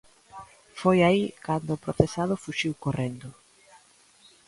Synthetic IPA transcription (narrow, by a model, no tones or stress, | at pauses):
fojaikand̪ʊːpɾoθesaðʊfuʃiwkorend̪ʊ